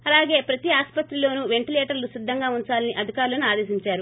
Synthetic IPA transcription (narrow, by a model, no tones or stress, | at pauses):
ɐlaːɡe̞ːpɾɐt̪iaːspɐt̪ɾilo̞ːnuʋe̞ɳʈileːʈɐɾlusid̪ʱːɐŋɡaːuɲt͡ʃaːlɐniʔɐd̪ʱikaːɾulɐnuaːd̪e̞ːsiɲt͡ʃaːɾu